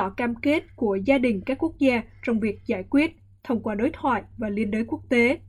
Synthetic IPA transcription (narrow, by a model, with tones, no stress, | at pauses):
ɔ̰˧˩kaː˧mke˦˥t̚ku˧˩əzaː˧ɗï˨˩ŋ̟kaː˦˥kːu˦˥k̚zaː˧t͡ɕɔ˧wŋ͡mvi˨˩ək̚zaː˧˩jkwi˦˥ət̚ | t̪ʰə˧wŋ͡mkwaː˧ɗo˨˦jt̪ʰwa̰ː˧˨jvaː˨˩li˧ənɗəː˨˦jku˦˥ək̚t̪e˨˦